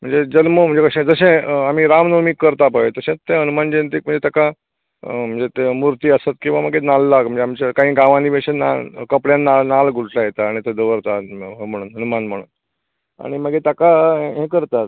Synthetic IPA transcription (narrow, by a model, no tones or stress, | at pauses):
m̤əɳd͡zed͡ʑənməm̤əɳd͡zekəɕẽd͡zəɕẽamiːɾamnomikːəɾt̪apəet̪əɕẽt̪ẽɦənumand͡ʑent̪iːk̚m̤əɳd͡zet̪jaka | m̤əɳd͡zet̪emuɾt̪iːəsət̪kĩw̃ʋaməɡenalːakm̤əɳd͡zeamt͡ɕakaɦĩːɡaʋãniːʋeɕẽna̰kəpɽjãnːanalɡʱuɽʈʰlajet̪aːɽ̃it̪ed̪əʋəɾt̪aɦm̤əɽ̃uːnɦənumanm̤əɽ̃uːn | a̰ɽ̃iməɡet̪jakaeɦẽkəɾt̪at̪